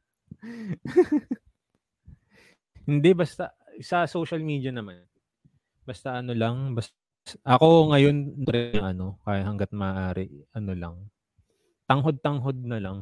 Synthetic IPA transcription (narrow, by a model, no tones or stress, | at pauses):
hɪnd̪ɛbɐst̪a | sɐsowʃɐlmiːd̪iɐnɐman | bɐst̪aʔɐno̞lɐŋbɐs | ʔɐko̞ŋɐjo̞nːʊɾɪɐŋɐno̞kajɪhɐŋɡɐt̪̚mɐʔaːɾɪɐno̞lɐ̰ŋ | t̪ɐŋɦo̞d̪̚t̪ɐŋɦo̞d̪̚nɐlɐŋ